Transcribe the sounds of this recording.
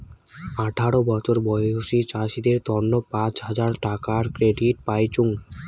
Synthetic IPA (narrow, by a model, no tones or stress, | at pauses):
aʈʰaɽobɔt͡ɕʰoɾbɔjooʃit͡ɕaʃid̪eɾt̪ɔnːopãt͡ɕɦad͡ʑaɾʈakaɾkɾeɖiʈ̚pajt͡ɕuŋ